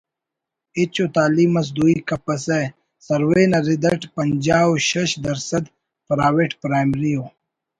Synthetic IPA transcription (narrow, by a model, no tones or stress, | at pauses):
it͡ɕot̪aːliːmɐs̬d̪uikɐpɐse | sɐɾweːnɐɾid̪ɐʈpɐnd͡ʑaːwoɕɐɕd̪ɐɾsɐd̪ | pɾaːweʈpɾaːjmɾijo